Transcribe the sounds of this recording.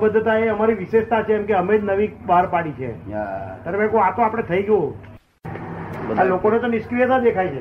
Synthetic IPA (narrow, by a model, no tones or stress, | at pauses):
bəd̪ʱːət̪aeəmaɾiʋɪʃeʃt̪at͡ʃʰeːmkeəmed͡ʒnəʋibaɾpaɽit͡ʃʰḛt̪aɾebɛkoat̪oapəɽ̃et̪ʰəiɡəjo | alokonet̪onɪʃkɾijət̪ad̪ekʰajt͡ʃʰe